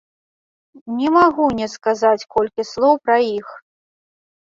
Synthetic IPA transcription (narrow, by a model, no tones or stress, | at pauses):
nʲɛmaɣunʲɛskazat͡sʲkɔlʲkʲislˠɔwpɾɐjix